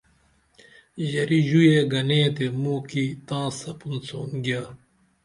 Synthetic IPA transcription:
ʑɐɾiʑujeɡɐnẽːt̪emuːkit̪ãːsɐpunt͡soːnɡjaː

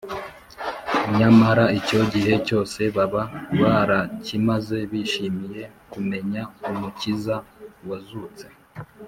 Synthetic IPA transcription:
ɲamaɾaico̞ɟiɦe̞co̞ːse̞βaβaβaɾacimaze̞βiʃimije̞kume̞ɲaumucizawazuːt͡se̞

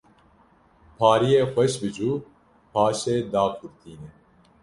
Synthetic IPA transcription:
pʰɑːɾijeːxʷɛʃbɨd͡ʒuː | pʰɑːʃeːd̪aːkʰuɾt̪ʰiːnɛ

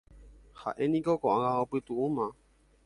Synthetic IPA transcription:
ha̰ʔẽnĩkokõʔãŋãõpɨt̪uʔũmã

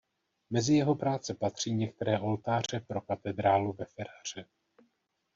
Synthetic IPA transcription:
mɛzɪjɛɦo̞pɾaːt͡sɛpat̪r̝̥iːɲɛk̚t̪ɛɾɛːʔo̞lt̪aːr̝ɛpɾo̞kat̪ɛd̪ɾaːluvɛfɛɾar̝̥ɛ

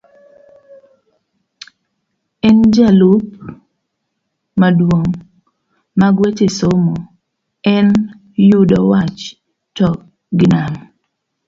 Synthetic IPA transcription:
ɛnd͡ʒalup̚ | madwoŋ | maɡwet͡ʃesomo | ɛn | judɔwat͡ʃ | tɔk̚ | ɡɪnam

